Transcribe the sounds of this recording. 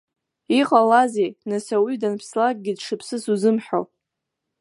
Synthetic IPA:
iqʼalazejnasawidanpʰslak̚ʼɡʲɪdʂɨpʰsɨsuzɨmħᶣo̰

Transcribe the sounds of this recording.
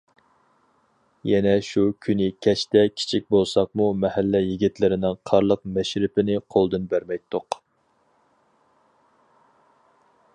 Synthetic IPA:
jɛnɛʃukʲʰynɪkʲʰɛt͡ʃt̪ɛkʲʰi̥t͡ʃʰik̚ʲbolˠsɑq̚mumɛhælːɛjiɡʲit̪lɪɾɪnɪŋqʰɑɾlˠəq̚mɛʃɾɪpɪnɪqʰolˠd̪ɨnbæɾmɛjt̪ʰːoq

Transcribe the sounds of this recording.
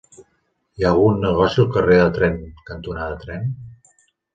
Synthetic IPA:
ialˠɣunːəɣ̞ɔsiəlˠkəreðət̪ɾɛŋkənt̪unaðət̪ɾɛn

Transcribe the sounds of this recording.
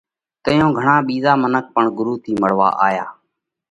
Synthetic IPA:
t̪əjõːɡʱəɳãːɓiːzaːmənək̚pəɳɡʊɾuːt̪ʰiːməɽ̤ʋa̰ːʔaːja̰ː

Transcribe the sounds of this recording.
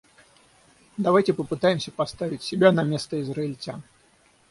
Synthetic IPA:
d̪ɐvajtʲɪpəpɨt̪ajɪmsʲəpɐst̪avʲɪtʲsʲɪbʲanɐmʲe̞st̪əɪzɾəɪlʲtʲan

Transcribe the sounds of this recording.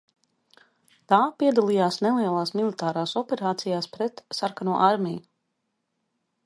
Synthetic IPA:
t̪aːpiɛd̪alˠijaːsnɛlˠiɛlˠaːsmilˠit̪aːɾaːsɔpɛɾaːt̪sijaːspɾɛt̪saɾkanuɔʔaɾmʲɛj

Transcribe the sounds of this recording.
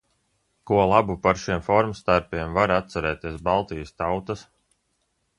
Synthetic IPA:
kuɔlˠabupaɾʃiɛmfɔɾmst̪aɾpiɛmvaɾat̪saɾɛːt̪iɛsbalˠt̪ijəst̪awt̪as

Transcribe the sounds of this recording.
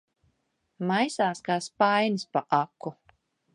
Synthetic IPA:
majsaːskaːspajnspaʔakːu

